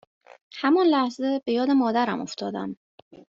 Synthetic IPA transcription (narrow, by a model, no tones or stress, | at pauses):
hæmɒnlæhze̞be̞jɒːd̪e̞mɒːd̪æɾæmoft̪ʰɒːd̪æ̰m